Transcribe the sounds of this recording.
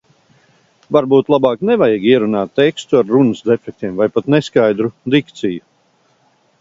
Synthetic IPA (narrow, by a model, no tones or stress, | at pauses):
vaɾbuːt̪lˠabaːknɛvajiɡʲiɛɾunaːt̪ːekst̪uaɾːunɨsd̪efɛk̚t̪iɛmvajpat̪neskajd̪ɾud̪ikt̪siju